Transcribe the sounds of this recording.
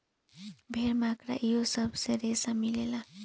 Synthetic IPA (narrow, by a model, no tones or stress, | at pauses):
bʱeɾmakɾa̰ʔijosəbseɾesamilela